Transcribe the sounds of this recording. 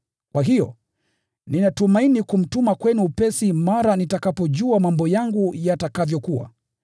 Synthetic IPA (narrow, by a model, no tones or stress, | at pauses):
kwaɦijɔ̰ | ninatumainikum̩tumakwɛnuːpɛsimaɾanitakapɔʄuamambɔjaŋɡujatakavjɔkuwa̰